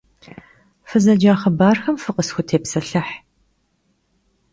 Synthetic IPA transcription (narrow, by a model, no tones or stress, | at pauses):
fɨzɐd͡ʒaːχɐbaːrxɐmfɨqʼəsxʷʊtʰeːpsɐɬɐħ